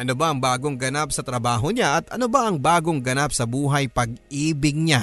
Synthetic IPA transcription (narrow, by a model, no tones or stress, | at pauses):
ʔɐnobaʔɐŋbaːɡo̞ŋɡɐnap̚sɐt̪ɾɐbaːɦo̞ɲaʔɐt̪ʔɐnobaʔɐŋbaːɡo̞ŋɡɐnap̚sɐbuːɦɐjpɐɡ̚ʔiːbɪɡ̚ɲa